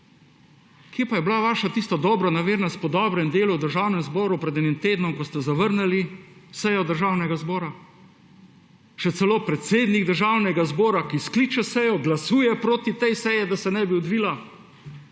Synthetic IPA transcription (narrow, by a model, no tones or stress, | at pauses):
kjepajɛblaʋaːʃat̪iːst̪ad̪ɔːbɾɔnaʋeːɾnast̪̚pɔd̪ɔːbɾɛmd̪eːluwd̪əɾʒaːwnɛmzbɔːɾupɾɛd̪ɛnimt̪eːd̪nɔmkɔst̪ɛzaʋəɾnɛlisɛjɔd̪əɾʒawnɛɡazbɔːɾa | ʃɛt̪sɛloːpɾɛt̪seːd̪niɡd̪əɾʒawnɛɡazbɔːɾakiskliːt͡ʃɛsɛjɔɡlasuːjɛpɾoːt̪it̪ɛjsɛjɛd̪asɛnɛbiɔd̪ʋiːla